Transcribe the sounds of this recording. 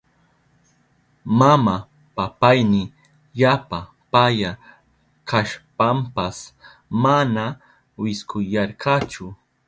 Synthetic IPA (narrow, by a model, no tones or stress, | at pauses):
mama | papajnɪ | ʎapa | paja | kaʃpampas | mana | wɪskʊjaɾkat͡ʃʊ